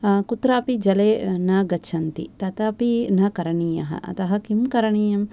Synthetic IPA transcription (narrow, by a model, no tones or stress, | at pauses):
kut̪ɾaːpid͡ʒɐleːnɐɡɐt͡ʃʰɐnt̪ḭt̪ɐt̪ɐpinɐkɐɾɐɳiːjɐ̰ɦɐ̰ʔɐ̰t̪ɐɦɐkimkɐɾɐɳiːjɐm